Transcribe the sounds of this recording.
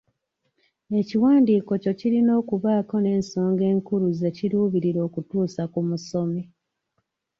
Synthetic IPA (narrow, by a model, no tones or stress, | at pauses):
e̞ciwaːndiːko̞co̞ciɾino̞ːkuβaːko̞ne̞ːnso̞ːŋɡe̞ːŋkuɾuze̞ciɾuːβiɾiɾo̞ːkutuːsakumuso̞me